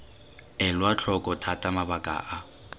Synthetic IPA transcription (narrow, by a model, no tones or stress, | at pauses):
ɛlwat͡ɬʰɔkʼɔtʰatʼamabakʼa̰ːʔa